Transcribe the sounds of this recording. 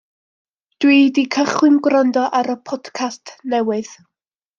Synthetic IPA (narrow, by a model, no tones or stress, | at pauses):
d̥widikʰəχwɨmɡrandɔʔaɾəpʰɔd̥kʰastʰnɛwɨð̥